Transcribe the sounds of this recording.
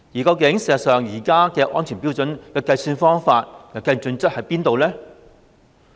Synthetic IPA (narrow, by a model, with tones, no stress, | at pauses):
jiː˨˩kɐ˧wkɪ˨˧˥ŋse˨˩˨sœː˨ŋjiː˨˩kaː˥kɛː˧ʔɔ̰ː˥nt͡ʃʰyː˨˩npi˥wt͡sɵ˨˥nkɐ˧wkɐ˧jsyː˧nfɔː˥ŋfaː˧t̚jɐ˨˩kɐ˧jt͡ʃɵ˧nt͡st̚hɐ˨˥jpiː˥nt̪o˨wlɛː˥